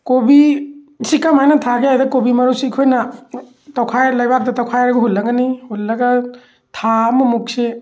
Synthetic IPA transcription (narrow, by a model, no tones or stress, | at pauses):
kobi | sikːamajnɐtʰaɡeɦajdɐkobimɐɾusiːkʰojnɐ | tawkʰajlajbaɾdɐtawkʰajɾɐɡɐɦulːɐɡɐnihulːɐɡɐ | tʰamɐmuk̚se